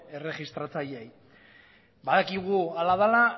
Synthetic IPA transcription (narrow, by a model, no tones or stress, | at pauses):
e̞re̞ɣist̪ɾat͡saʎej | baðakiɣ̞ualaðala